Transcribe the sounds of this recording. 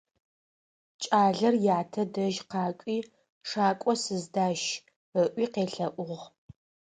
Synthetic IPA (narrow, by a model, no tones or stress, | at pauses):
t͡ʃʼaːɮɐrjaːtʰɐdɐʒqɑːkʷʼiː | ʂaːkʷʼɔsɨzdaːʃ | əʔʷiːqeːɬɐʔʷʊʁ